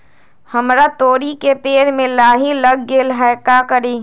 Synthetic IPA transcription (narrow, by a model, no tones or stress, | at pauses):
hɐmɾat̪oːɾikepeːɾmẽlaːɦilɐɡɡeːlɦaːkakəɾeː